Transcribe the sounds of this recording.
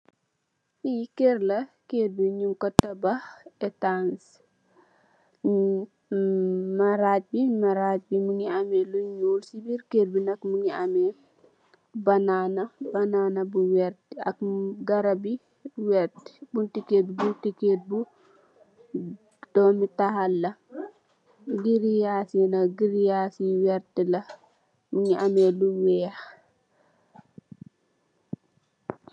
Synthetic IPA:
ikeɾlɐ | keːt̚buɲuŋkɔtɐbɐhɛtans | mɐɾat̚bimɐɾaːt̚bimuŋiɐmɛluɲuːlsibiɾkeːrbinɐkmuŋiɐmɛ | bɐnaːnɐbɐnanɐbuwɛɾt̚ɐ̰k̚ɡaɾabi | wɛɾti̥buntiketbuntiket̚bu | d̥ɔmitaɦalːɐ | ɡiɾijasinaɡiɾijasiwɛɾtilɐ | muŋiʔamɛːluwɛx

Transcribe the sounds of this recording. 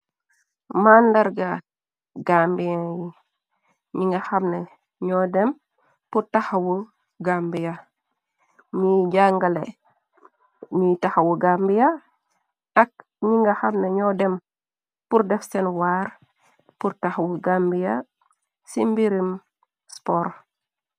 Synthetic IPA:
mandaɾɡa | ɡambijaji | ɲiŋɡaxamne | ɲɔdɛm | puɾtaxawu | ɡambija | miɟaŋɡale | mitahawuɡambija | ak̚ | ɲiŋɡaxamneɲɔdɛm | puɾdɛfsɛnwaːɾ | puɾtaxwuɡambija | simbiɾim | spɔɾ

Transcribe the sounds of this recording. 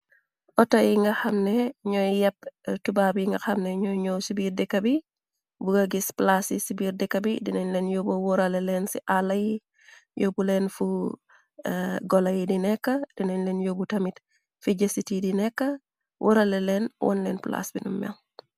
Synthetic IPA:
ʔɔtajiŋɡɐxɐmnɛɲɔjjɛpːtubabiiŋɡɐxɐmnɛɲɔjɲɔwsibiɾdɛkːabi | buɡɐɡisplasḭsibiːɾdɛkːabidinɛnlɛnjobowɔɾalɛlɛːnsiʔalaji | jobulɛnfu | ɡɔlajidinɛkːɐd̥inɛnlɛnjobutɐmit | fiɟesitidinɛkːa | wʔɔɾalɛlɛnwɔ̰nlɛ̰ːnpla̰sbinṵmma̰ŋ

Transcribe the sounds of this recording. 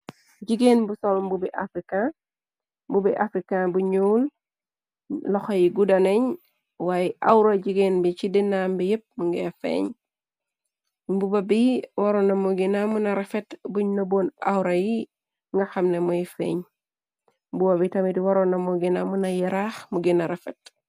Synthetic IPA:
ɟiɡenbusolmbubiʔa̰fɾikã | bubiʔafɾikãbuɲuːl | lɔxojiɡudaneɲ | wajʔawɾaɟiɡeːnbit͡ʃidinambijəp̚muŋɡefḛːɲ | mbubabiwaɾonɐmoɡinamunɐɾefetbuɲnobona̰wɾɐji | ŋɡaxamnemojifḛɲ | bubabitɐmidiwaɾonɐmoɡinamunajiɾaxmuɡinaɾefet̚

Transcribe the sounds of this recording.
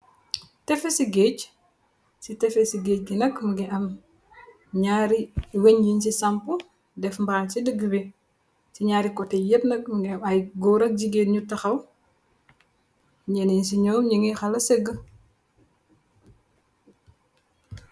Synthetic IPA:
tɛfesiɡeːc | sitɛfɛsiɡeːc̚ɡinɐkmuŋɡiɐm | ɲaːɾiweɲd͡ʒins̬isɐmpu | dɛfmbaːnsidəɡːəbi | siɲaːɾikɔtːɛjɐpnɐk̚muɡɛɐmɐjɡɔːɾɐk̚ɟiɡetɲutːɐxɐw | ɲɛniɲsiɲɔːmɲiŋixɐlɐsəɡːə

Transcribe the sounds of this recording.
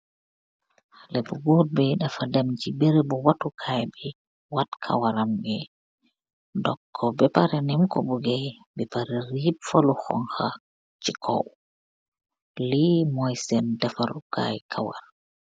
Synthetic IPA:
lɛbuɡɔt̚bɛɗafadamt͡ʃibɛɾɛbɔwatukʰajbɛ | watkʰa̰waɾamɡɛ | dɔkʰːɔbɛpaɾɛnɛmkɔ̰buɡɛ | bɛpaɾɛɾipfaluhɔ̰ŋxa | t͡ʃikʰɔ̰ʔ | limɔjsɛndafaluka̰jkʰawa̰ɾ

